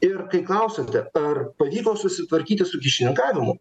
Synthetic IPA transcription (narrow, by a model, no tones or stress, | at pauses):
ɪrkɐɪklˠɐʊsʲɐt̪ʲɛɐrpɐʋʲiːkoːsʊsʲɪt̪ʋɐɾʲkʲiːt̪ʲɪsʊkʲɪʃʲɪnʲɪŋkɑːʋʲɪmʊ̰